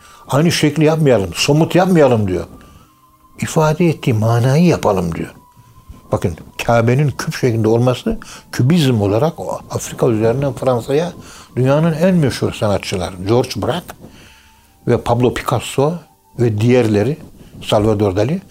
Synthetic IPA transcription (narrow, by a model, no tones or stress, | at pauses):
ajnɯʃɛclʲijapmajalˠɯmso̞mut̪ʰjap̚majalˠɯmd̪ijo̞̰ | ifaːd̪ɛɛt̪ʰːiːmaːnaːjɯjapʰalˠɯmd̪ḭjo̰ | b̥akɯncʰaːbenincʰypʃeclind̪ɛo̞lˠmasɯcʰybizmo̞lˠaɾakafɾikʰayzeɾind̪ænfɾansajad̪̥ynjaːnɯnænmɛʃhuɾsanat̪t͡ʃʰːɯlˠa̰ɾd͡ʒoɾt͡ʃbɾak | vɛpʰablˠo̞pʰi̥kʰaso | vɛd̪ijæɾlʲeɾisalʲvad̪o̞ɾd̪alʲi